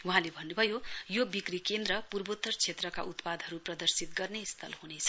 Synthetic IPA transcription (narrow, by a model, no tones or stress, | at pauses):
uɦãlebʱʌnːubʱʌjojobikrikend̪ɾʌpurbot̪ːʌrt͡sʰet̪rʌka̰ʔut̪pad̪ʱʌɾuprʌd̪ʌrsit̪ɡʌrnest̪ʰʌ̰lhunet͡sʰʌ